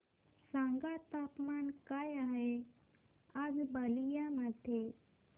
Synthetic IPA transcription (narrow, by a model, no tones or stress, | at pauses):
sãŋɡat̪aːpmaːnkaːjaɦe | ad͡zbalijamaʈ̪ʰe